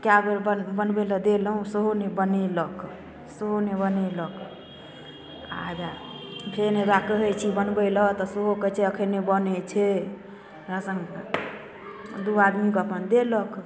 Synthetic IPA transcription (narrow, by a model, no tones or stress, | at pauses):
kjabebəbənbeləd̪elɦũsəɦonebənelək | səɦonebənelək | ad͡ʒa | pʰeɾɦebakəɦɛt͡ʃʰibənbɛlət̪ɔsəɦokət͡ʃʰɛəkʰənːebənɛt͡ʃʰɛ | ɾəsəŋ | d̪uad̪mikəpənd̪elək